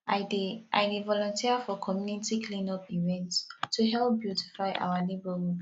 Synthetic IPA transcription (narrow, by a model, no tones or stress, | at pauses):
adʔa̰jdevɔlɔ̃ntʰiəfɔkʰɔmjunitikʰlĩnɔpivɛ̃ntstʰːuɦɛlp̚bjuti̥faɪʔa̰walebəɹu